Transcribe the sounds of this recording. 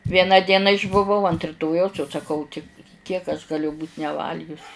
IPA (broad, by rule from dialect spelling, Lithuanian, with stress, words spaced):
ˈʋʲiɛnɑː ˈdʲiɛnɑː ɪʒbʊˈʋɐʊ ɐnt rʲɪˈtoːjɛʊs jɛʊ sɐˈkɐʊ tʲɪ ˈkʲiɛk ɐʃ ˈɡɑːlʲʊ buːtʲ nʲɛˈʋɐlʲɡʲʊs